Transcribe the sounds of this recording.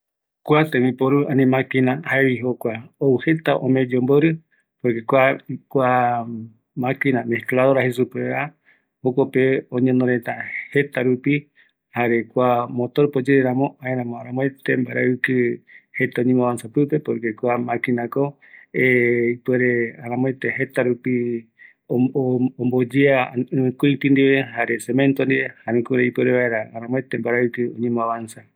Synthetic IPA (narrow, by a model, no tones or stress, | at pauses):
kʷat̪ẽmĩpoɾuanĩmãkinãhaeβiɦokʷaouhet̪aʔõ̰mẽd͡ʒomboɾɨ | poɾkekʷakʷa | mãkinameklaðoɾahesupea | hokʷapeõɲẽnõɾet̪ahet̪aɾupi | haɾekʷamõt̪oɾpod͡ʒeɾeɾamõãeɾãmõaɾãmõet̪embaɾaɨkɨhe̞t̪aõɲẽmõaβansapɨpe̞poɾkekʷamãkinako | eipweɾeaɾãmõẽt̪ehe̞t̪aɾupi | ombod͡ʒeaɨ̃ɨ̃kut̪ĩnd̪iβeɦaɾesemẽnt̪ond̪iβehaɾĩkuɾeipweɾeβaeɾaaɾãmõẽt̪embaɾaɨkɨõ̰ɲẽmõaβansa